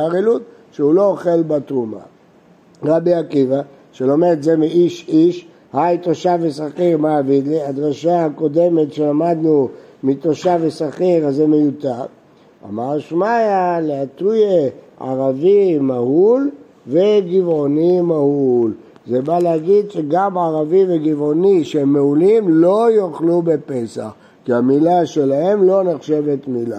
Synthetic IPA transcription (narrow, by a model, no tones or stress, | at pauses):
aʁelut̪ | ʃeulo̞ːχe̞lbat̪ʁuma̰ | ʁabiakiva | ʃelo̞meʁt̪zemiiʃiʃ | hajt̪oʃavesaχiʁmaavid̪liad̪ʁaʃaako̞d̪e̞me̞tʃelamad̪numit̪o̞ʃavesaχiʁazemejut̪aʁ | a̰maʁʃmajaleat̪uje | a̰ʁavimahul | veɡivo̞nimahul | zebaleaɡid̪ʃeɡamaʁaviveɡivo̞niʃeemːeulimlo̞joχlube̞pe̞sa̰χ | kiamilaʃe̞lahe̞mlo̞neχʃe̞vet̪mila